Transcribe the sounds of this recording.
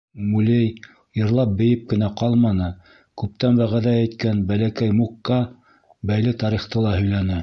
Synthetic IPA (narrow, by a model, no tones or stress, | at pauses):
mulʲej | jɤ̆ɾlˠɑp̚bɘ̆jɘp̚kɘ̆næqɑlˠmɑnɤ | kʉp̚t̪ænbæʁæðææjt̪kænbælækæjmukːɑ | bæjlɘt̪ɑɾiχt̪ɤlˠɑhɵ̆jlænɘ